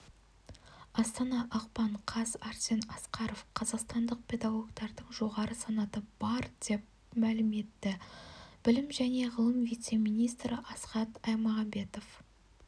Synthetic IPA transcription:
ɑst̪ɑnɑʔɑqpɑɴqʰɑzɑɾsʲe̞nɑsqɑɾo̞fqʰɑzɑqst̪ɑnd̪əq̚pʰʲe̞d̪ɑɡo̞ɡt̪ɑɾd̪əɴʒo̞ʁɑɾəsɑnɑt̪əb̥ɑɾd̪̥e̞p̚ | mælɪme̞t̪ːɪb̥ɪlɪmʒæne̞ʁəlˠəmvijt̪se̞mijnijst̪ɾɪʔɑsqɑt̪ɑjmɑʁɑbe̞t̪o̞f

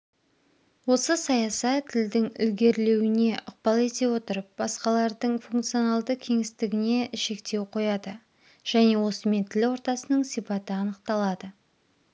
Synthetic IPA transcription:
wo̞səsɑjɑsɑt̪ʰːɪld̪ɪŋʏ̰lɡʲe̞ɾle̞wɪne̞ʔʊq̚pɑlˠe̞t̪e̞wo̞t̪əɾəp̚bɑsqɑlˠɑɾd̪əɴfuŋkt̪sio̞nɑlˠd̪əkʲʰe̞ŋɪst̪ɪɡʲɪne̞ʃe̞kt̪e̞wqʰo̞jɑd̪ə | ʒ̥æne̞wo̞səme̞nt̪ʰɪlwo̞ɾt̪ɑsənəɴsijpɑt̪əɑnəq̚t̪ɑlˠɑd̪ə

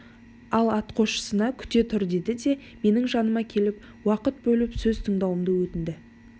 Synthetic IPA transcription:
ɑlˠɑt̪qʰo̞ʃə̥sənɑkʲʰʏ̥t̪e̞t̪ʰʏɾd̪e̞d̪ɪd̪e̞ | me̞nɪŋʒɑnəmɑkʲʰe̞lɪp̚ | wɑqət̪̚bɵlɪpsɵzt̪ʰəɴd̪ɑwəmd̪əwɵt̪ɪnd̪ɪ

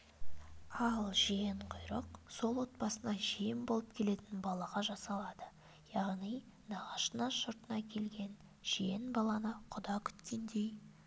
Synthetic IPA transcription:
ɑlˠʒijeɴqʰʊjɾəqso̞lˠwo̞t̪̚bɑsənɑʒijɪmbo̞lˠəp̚kʲʰe̞le̞t̪ɪnbɑlˠɑʁɑʒɑsɑlˠɑd̪ə | jɑʁnij | nɑʁɑʃənɑʃʊɾt̪ənɑkʲʰe̞lɡʲe̞n | ʒ̥ijenbɑlˠɑnəqʰʊd̪ɑkʲʰʏ̥t̪kʲend̪ej

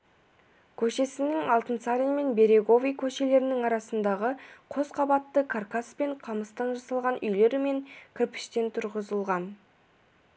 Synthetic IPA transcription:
kʲʰɵʃe̞sɪnɪŋɑlˠt̪ənt̪saɾʲijme̞nbe̞ɾe̞ɡo̞vʲijkʲʰɵʃe̞le̞ɾɪnɪŋɑɾɑsənd̪ɑʁəqʰo̞sqʰɑbɑt̪ːəkʰarkaspe̞ɴqʰɑməst̪ɑnʒɑsɑlˠʁɑnʔʏjle̞ɾɪme̞ŋkʲʰɪɾpɪ̥ʃt̪e̞nt̪ʰʊɾʁəzəlˠʁɑn

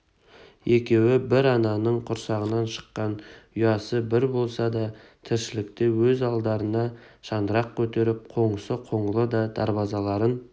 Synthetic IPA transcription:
je̞kʲe̞wɪbɪɾɑnɑnəɴqʰʊɾsɑʁənɑnʃə̥qːɑnʏjɑsəbɪɾbo̞lˠsɑd̪ɑt̪ʰɪɾʃɪlɪkt̪ɪwɵzɑlˠd̪ɑɾənɑ | ʒ̥ɑnd̪əɾɑq̚kʲʰɵt̪e̞ɾɪp̚qʰo̞ɴəsəqʰo̞ɴəlˠəd̪ɑd̪̥ɑɾbɑzɑlˠɑɾən

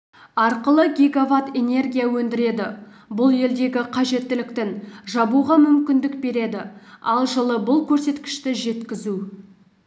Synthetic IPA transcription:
ɑɾqəlˠəɡʲeɡovat̪e̞ne̞rɡʲijawɵnd̪ɪɾe̞d̪ɪ | bʊlˠje̞ld̪e̞ɡʲɪqʰɑʒe̞t̪ːɪlɪk̚t̪ɪnʒɑbuʁɑmʏmkʲɪnd̪ɪkbe̞ɾe̞d̪ɪɑlˠʒəlˠəbʊlˠkʲʰɵɾse̞t̪kʲɪ̥ʃt̪ɪʒe̞t̪kʲɪzu

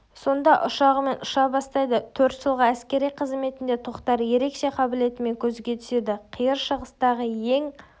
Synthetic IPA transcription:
so̞nd̪ɑʔʊʃɑʁəme̞nʊʃɑbɑst̪ɑjd̪ət̪ʰɵɾt̪ʒəlˠʁəæskʲe̞ɾijqʰəzme̞t̪ɪnd̪e̞t̪ʰoqt̪ɑɾje̞ɾe̞kʃe̞qʰɑbɪle̞t̪ɪme̞ŋkʲʰɵzɡʲe̞t̪ʰʏ̥se̞d̪ɪqʰijəɾʃəʁəst̪ɑʁəje̞ŋ

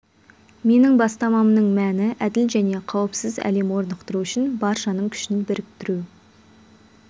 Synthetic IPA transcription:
me̞nɪŋbɑst̪ɑmɑmnəɴmænɪʔæd̪ɪlʒæne̞qʰɑwəpsɪzæ̰le̞mwo̞ɾnəqt̪əɾuʏʃɪnbɑɾʃɑnəɴkʲʰʏ̥ʃɪnbɪɾɪp̚t̪ʰɪɾu

